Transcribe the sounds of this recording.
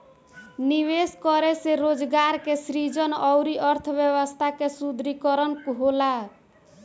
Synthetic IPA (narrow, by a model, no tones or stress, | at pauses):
niβeskɔɾeseɾod͡ʒɡaɾkesɾid͡ʒʌnʌwɾiʔʌɾt̪ʰəbjeβəst̪ʰakesud̪ɾikɔɾənkuɦola